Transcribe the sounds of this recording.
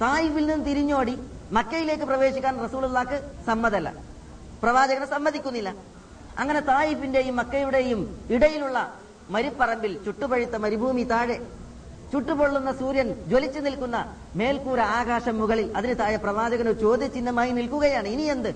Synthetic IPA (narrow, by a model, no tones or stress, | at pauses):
t̪aːjifilninːɨt̪iɾiɲːo̞ːɽimɐkːɐjile̞ːkːɨprɐʋe̞ːɕikʲːaːnrɐsuːlulːaːkːɨsɐmːɐðɐlːɐ̰ | prɐʋaːd͡ʑɐɣɐnsɐmːɐðikʲːunːilːɐ | ɐ̰ŋːɐne̞t̪aːjifinde̞jumːɐkːɐjuɽe̞jumiɽɐjiluɭːɐ | mɐɾipːɐrɐmbilt͡ɕuʈːupɐɻit̪ːɐmɐɾibʱuːmit̪aːɻe | t͡ɕuʈːubo̞ɭːunːɐsuːɾjɐnd͡ʑolit͡ɕːɨnilkunːɐ | me̞ːlkuːɾɐaːɡaːʂɐmːuɣɐɭilɐðinɨt̪aːjɐprɐʋaːd͡ʑɐɣɐnoɾut͡ɕo̞ːd̪jɐt͡ɕːinːɐmaːjinilkuɣɐjaːɳɨinije̞nd̪ɨ